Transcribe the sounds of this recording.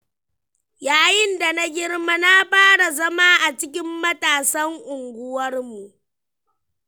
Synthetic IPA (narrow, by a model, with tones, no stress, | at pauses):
jaː˨jɪ˦nda˨na˦ɡʲɪ˦rma˦na˦ɸaː˦ɽa˨zɐ˦maː˦ʔa˨t͡ʃɪ˦k̬ʲɪ˦mːɐ˦taː˨sɐ˦ŋʔʊ˨ŋɡʷʊ˦wɐ˦rmu˨ʔ